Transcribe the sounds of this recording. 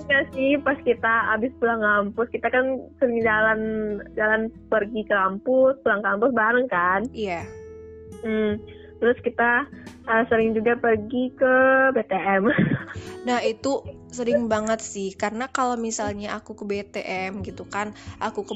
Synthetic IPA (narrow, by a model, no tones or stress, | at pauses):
kasɪhpaskit̪aabɪspulaŋampʊskit̪akansəɾɪŋd͡ʒaland͡ʒalanpərɡikəlampʊspulaŋkampʊsbaɾəŋkanija | m̩ | t̪əɾʊskit̪aʔəːsəɾɪŋd͡ʒuɡapərɡikəbet̪eʔɛm | nahit̪u | səɾɪŋbaŋət̪̚sɪhkarənakalomisalɲaʔakukəbet̪eʔɛmɡit̪ukanʔakukə